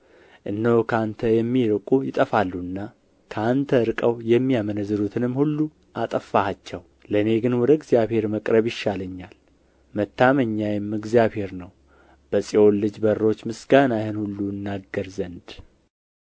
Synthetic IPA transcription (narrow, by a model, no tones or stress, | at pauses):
ʔɨnːəwkʰəant̪ʰəjɛmːiɾɨkʼujɪt̪ʼəfalːuɨnːa | kʰəant̪ʰəɨɾkʼəwjɛmːijamənəzːɨɾut̪ʰɨnɨmːhulːu | ʔat̪ʼəfːahat͡ʃːɛw | ləne̞ɡɨnwɔd̪əɨɡzjaβhe̞ɾməkʼɾəβjɪʃːaləɲːal | mət̪ʰːaməɲːajɪmːɨɡzjaβhe̞ɾnəw | b̥əsʼiolːɨd͡ʒbərːo̞t͡ʃːmɨsɡanajhɨnhulːuɨnːaɡəɾzənd̪